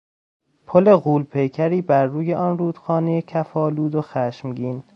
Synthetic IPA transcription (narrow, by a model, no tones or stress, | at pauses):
pʰole̞ɣuːlpʰe̞jcʰæɾiːbæɾːuːje̞ʔɒnɾuːd̪̥xɒːnejecʰæfɒːluːd̪oxæːʃmɟiːn